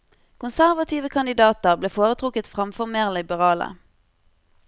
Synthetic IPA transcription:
kʰʊnsæʁʋɑt̪ʰiːʋəkʰɑnd̪ɪd̪ɑːt̪əʁbleːfoːʁət̪ʰʁʊkət̪fʁɑmfɔʁmeːʁlɪbəʁɑːlə̰

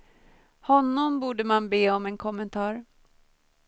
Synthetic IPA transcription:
hɔnːɔmbuːɖəmanbeːɔmɛnkʰɔmːɛnt̪ʰɑːɾ

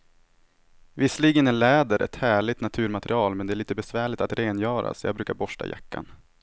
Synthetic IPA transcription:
vɪsliːɡənɛnlɛːd̪əɾʔɛ̰t̪hæːɭɪt̪nat̪ʰʉ̟ːɾmat̪ɾɪɑːlmɛnd̪ɛæːɭiːt̪əbɛsvæːɭɪt̪at̪ɾeːnjœːɾa̰sjɑ̰ɡ̚bɾʉ̟ːkaɾbɔʂʈa̰ja̰kːa̰n

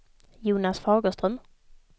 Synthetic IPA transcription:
juːnasfɑːɡəst̪ɾœm

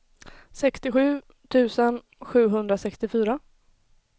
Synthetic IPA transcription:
sɛkst̪ɪɧʉ̟ː | t̪ʰʉ̟ːsən | ɧʉ̟ːɦɵnd̪ɾasɛkst̪ɪfyːɾa

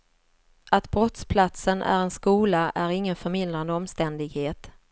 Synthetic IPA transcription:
at̪bɾɔt̪spʰlat̪sənʔæ̰ɾɛnskuːlaʔæɾɪŋːənfœɾmɪnd̪ɾand̪əɔmst̪ɛnd̪ɪɡheːt̪

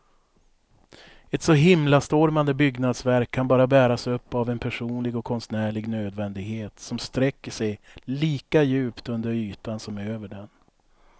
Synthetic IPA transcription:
ɛt̪sɔɦɪmlast̪oːɾmand̪əbʏɡnad̪svæɾkʰːanbɑːɾabæːɾasɵpːavɛnpʰæʂuːnlɪɡɔkʰːɔnsnæːɭɪɡnøːd̪vɛnd̪ɪɡheːt̪sɔmst̪ɾɛkːəʂɛjliːkajʉ̟ːpt̪ɵnd̪əɾyːt̪ansɔmøːvəɖɛn

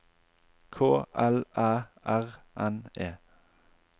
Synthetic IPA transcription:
kʰoːʔɛlʔɑːʔæʁ | ʔɛneː

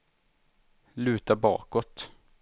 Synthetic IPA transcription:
lʉ̟ːt̪abɑ̰ːkɔt̪

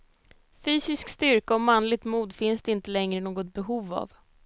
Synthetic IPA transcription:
fyːsɪskst̪ʏɾkaɔmanlɪt̪muːd̪fɪnsd̪ɛɪnt̪əlɛŋɾənoːɡɔt̪̚bɛɦuːva̰v

